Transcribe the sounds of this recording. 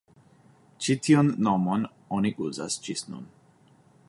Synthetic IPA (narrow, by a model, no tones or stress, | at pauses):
t͡ʃit̪ʰionːɔmon | ɔniʔuza̰st͡ʃisnṵn